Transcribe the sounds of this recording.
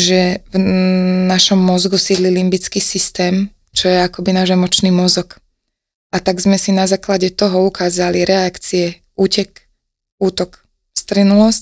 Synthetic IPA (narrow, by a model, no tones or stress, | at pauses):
ʒɛvnaʃɔmːɔzɡusiːd̪lilimbit͡skiːsist̪ɛːm | t͡ʃɔjɛakɔbinaːʒɛmɔt͡ʃniːmɔzɔk | at̪aɡzmɛsinazaːklaɟɛt̪ɔɦɔukaːzaliɾʔɛakt͡siɛ | uːcɛk | uːt̪ɔk | st̪ɾinulɔsc